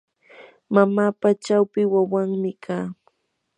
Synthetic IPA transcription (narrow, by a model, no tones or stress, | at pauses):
mamaːpat͡ʃawpɪwawaŋmɪkʰaː